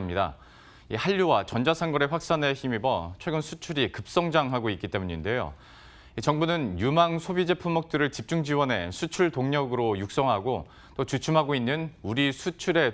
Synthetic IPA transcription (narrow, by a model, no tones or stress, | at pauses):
mɲida̰ | ihaʎːuwat͡ɕʌnd͡ʑasʰanɡʌɾe̞ɸwak̚s͈ane̞çimibʌt͡ɕʰwe̞ɡɯnsʰut͡ɕʰuɾikɯp̚s͈ʌŋd͡ʑaŋɦaɡoik͈it͈e̞muɲinde̞jo̰ | it͡ɕʌŋbunɯnjumaŋsʰobid͡ʑe̞pʰumːʌk̚t͈ɯɾɯɭt͡ɕip̚t͡ɕ͈uŋd͡ʑiwʌnɦe̞̰sʰut͡ɕʰuɭtoŋɲʌɡɯɾojuk̚s͈ʌŋɦaɡo | t͈ot͡ɕut͡ɕʰumɦaɡoinːɯnuɾisʰut͡ɕʰuɾe̞